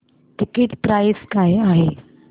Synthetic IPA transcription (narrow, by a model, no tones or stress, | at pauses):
ʈikiʈpɾajskajaɦe